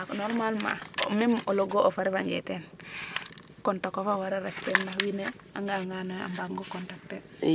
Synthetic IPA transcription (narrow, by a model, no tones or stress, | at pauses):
aknoɾmalma̰memoloɡoʔofaɾiβaɲd͡ʒḛten | kontakofawaɾaɾeftenːahwine | aŋɡalŋɡanaa̰mbaɡŋɡokɔntak̚te